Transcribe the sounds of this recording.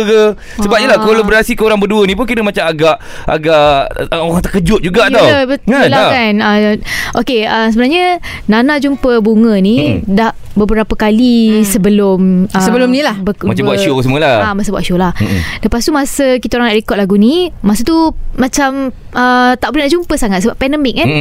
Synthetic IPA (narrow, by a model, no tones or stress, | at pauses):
kə | səbap̚ɲəlakalabəɾasikəoɾaŋbəduənĩp̬unkinəmat͡ʃamaɡaʔ | a̰ɡaʔoɾaŋt̪əkəd͡ʒʊt̪̚d͡ʒuɡaʔtt̪awəbəalakanəʔokeəsəbənarɲə | nanad͡ʒumpəbuŋə̃nidah | bəbəɾapəkalisəbəlʊməsəbəlʊmnilahbəmaabbwaʔʃosəməlaamasəbwa̰ʔʃolahləpast̪uʔmasəkit̪aoɾaŋdaʔɾekɔt̪̚laɡunimasət̪uːat͡ʃam | ət̪aʔbulənaʔd͡ʒumpəsaŋat̪səbaʔpːɛndəmɪk̚ːan